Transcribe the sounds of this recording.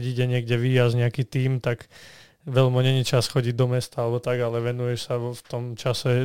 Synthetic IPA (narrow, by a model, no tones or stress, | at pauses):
ɟiːɟɛɲɪɛɡɟɛʋiːjazɲɛakiːt̪iːmt̪aɡ | ʋɛlmɔɲɛɲit͡ʃasxɔɟiɟd̪ɔmɛst̪aalɛbɔt̪aɡalɛʋɛnujɛʃsaʋft̪ɔmt͡ʃasɛ